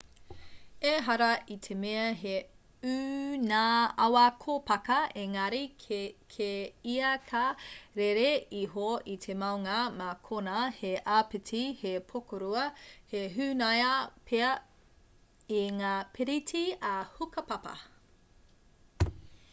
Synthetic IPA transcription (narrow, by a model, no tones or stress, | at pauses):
eɦɐɾɐʔitʰemeɐɦe | ʉnaːɐwɐkʰopɐkɐʔeŋɐɾikʰeiɐkʰaɾeɾeiɦoit̪ʰemɐwŋɐmakʰonɐheʔaːpitʰihepʰokʰoɾuɐheɦʉnɐjɐpʰeɐ | iŋaːpʰeɾitʰiɐhukɐpɐpɐ̰